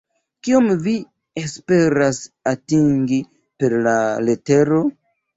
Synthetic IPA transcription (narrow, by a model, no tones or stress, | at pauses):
kio̞mvi | e̞spe̞ɾasatiŋɡi | pe̞ɾlale̞te̞ɾo̞